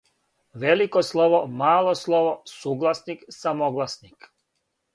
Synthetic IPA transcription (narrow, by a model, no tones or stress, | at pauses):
ʋelikoslˠoʋomaːlˠoslˠoʋosuːɡlˠasniksamoɡlˠasnik